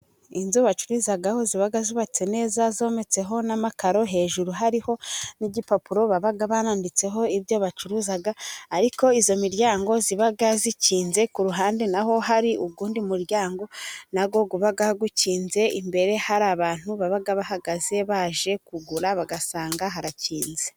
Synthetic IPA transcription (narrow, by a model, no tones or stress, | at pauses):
inzuβat͡ʃuɾuːzaɡaho̞ziβaɡazuβat͡se̞ne̞ːzazo̞ːme̞t͡se̞ɦo̞namakaɾo̞ɦe̞ːʒuɾuɦaɾiho̞niɟipapuɾo̞βaβaɡaβanaːndit͡se̞ɦo̞iβjo̞βat͡ʃuɾuːzaɡaːɾiko̞izo̞miɾɟaːŋɡo̞ziβaɡaziciːnze̞kuɾuɦaːndenaɦo̞ɦaɾiʔuɡuːndimuɾjaːŋɡo̞naɡo̞ɡuβaɡahɡuciːnze̞imbe̞ɾe̞haɾaːβaːn̥huβaβaɡaβaɦaɡaze̞βaːʒe̞kuɡuɾaβaɡasaːŋɡaɦaɾaciːnze